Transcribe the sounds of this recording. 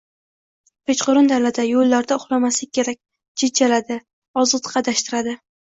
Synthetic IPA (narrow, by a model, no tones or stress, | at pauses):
pʰet͡ʃqʊɾɪnd̪alad̪ajolːaɾd̪aʊχlˠamaslɪk̚ʲkʰʲːe̞ɾak̚ʲ | d͡ʒɪd̪d͡ʒalad̪ɪ | ɒzɨt̪qʰɑd̪aʃt̪ɪɾad̪ɪ